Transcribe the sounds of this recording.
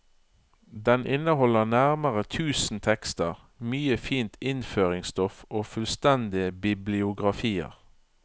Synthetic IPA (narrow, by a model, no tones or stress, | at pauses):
d̪ɛnʔɪnəhɔləʁnæʁməʁət̪ʰʉːsn̩t̪ʰɛkst̪əʁ | myːəfiːnt̪ɪnføːʁɪŋst̪ɔfoːfʉlst̪ɛnd̪ɪəbɪblɪʊɡʁɑfiːə̰ʁ